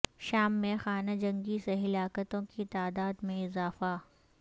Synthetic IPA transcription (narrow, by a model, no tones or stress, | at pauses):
ʃaːmːẽxaːnad͡ʒɐ̃ŋɡiseɦɪlaːkət̪õkit̪aːd̪aːd̪mẽɪzaːfa